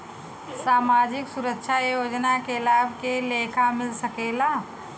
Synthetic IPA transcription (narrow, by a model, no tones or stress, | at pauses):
saːmaːd͡ʒɪksʊɾəkʃʰajoːd͡ʒnakeɐlaːbʱkeleːkʰamɪlsəkeːlaː